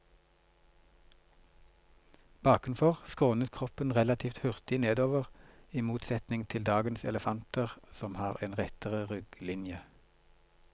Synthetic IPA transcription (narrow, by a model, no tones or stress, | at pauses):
b̥ɑːkʁʉnfɔʁskʁoːnət̪kʰʁɔpənʁɛlɑt̪ʰiːft̪hʉʁt̪ɪneːd̪oːʋəʁiːmuːt̪sɛt̪nɪŋt̪ʰɪld̪ɑːɡənsɛ̰ləfɑnt̪əʁsɔmhɑːʁeːnʁɛt̪əʁəʁʏɡ̥lɪnjə